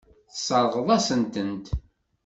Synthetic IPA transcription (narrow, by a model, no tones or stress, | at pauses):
θəsˤɑɾˤʁəðˤæsənt̪ənt̪